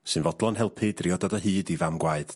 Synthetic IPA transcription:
sɨnvɔdlˠɔnɦɛlˠpʰɨdriɔdɔdaɦɨːdivamɡwaɨd̥

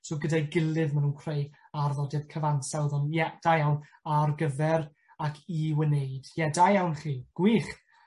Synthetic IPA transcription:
sɔɡədajɡɪlˠɨðmanuːnkʰrejarðɔdɛðkʰəvaŋsawðɔnjɛd̥ajawnarɡəvɛɾ | akʰiwənejd̥jɛdajawnχiːɡ̥wiːχ

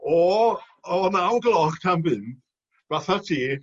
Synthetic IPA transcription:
ɔ | ɔnawnɡəlˠɔχtʰanbɨnd | v̥aθatʰiː

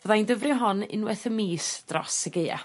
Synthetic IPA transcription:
vəðaindəvrɨɦɔnɪ̰nwɛθəmiːsd̥rɔ̰səɡeɨa̰

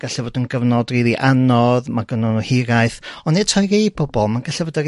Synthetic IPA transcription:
ɡaɬɛvoːdənɡəvnɔdriːðiʔanɔðmaɡənɔnuhɪɾajθɔnetʰɔjɡejbɔbɔlˠmanɡaɬɛvɔdar

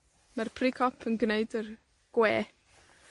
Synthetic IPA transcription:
marpʰrikʰɔpʰənɡneɨdər | ɡ̥weː

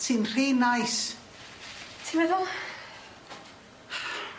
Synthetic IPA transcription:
tʰinr̥iːnajs | tʰimɛðʊlˠ

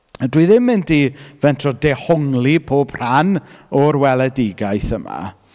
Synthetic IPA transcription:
dwiðɪmːɪndivɛntʰrɔdɛhɔŋlˠipʰoːb̥r̥anɔrwɛlˠɛdɪɡajθəma̰

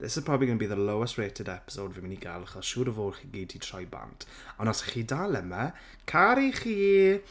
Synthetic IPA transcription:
ðɛsəpʰrɔbiɡənəbiːðəlowɛstreːtʰɪdɛpɪ̥sodvɪmɪniɡa̰lˠaχɔsʃuːɾəvoːlˠχiːɡiːd̚tʰitʰr̥ɔjba̰ntʰ | ɔnɔsχiːdalˠɛmɛ | kʰaɾiχiː

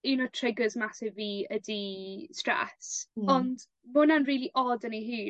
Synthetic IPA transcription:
inɔtʰrɪɡəzmasɛviːədistrɛ̰sɔnd | mʊnanriːlˠiʔɔdəniɦiː

